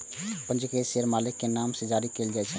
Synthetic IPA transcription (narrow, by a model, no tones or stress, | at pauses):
pənd͡ʒukeseɾmalikːenamsed͡ʒaɾikeld͡ʒaɛt͡ʃʰɛ